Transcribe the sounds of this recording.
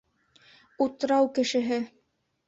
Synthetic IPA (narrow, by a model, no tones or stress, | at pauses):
ut̪̆ɾɑwkɘ̆ʃɘ̆ɦɘ